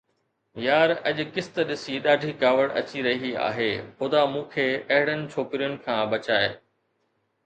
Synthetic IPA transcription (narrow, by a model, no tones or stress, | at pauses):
jaːɾɐʄʊ̆kɪst̪ɗɪsiɗaːɖʱiːkaːʋəɽɐ̰t͡ɕiɾɐɦia̰ːɦeːxʊd̪amũːkʰeːɐɦɪɽənɪ̆t͡ɕʰoːkɾijʊnɪ̆kʰãːbɐt͡ɕaːe